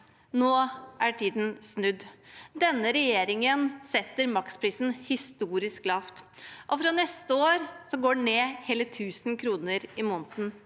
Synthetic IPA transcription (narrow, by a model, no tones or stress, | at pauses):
noːʔæʈʰiːd̪nsnʉd̪d̪ɛnːəɾɛjeːɾɪŋənsɛt̪ːəɾmɑkt̪spʰɾiːsn̩hɪst̪uːɾɪsklɑːft̪ʔɔfɾɑnɛst̪əoːɾsɔɡoːɖɛneːheːlət̪ʰʉːsnkʰɾuːnəɾɪmɔːnt̪n̩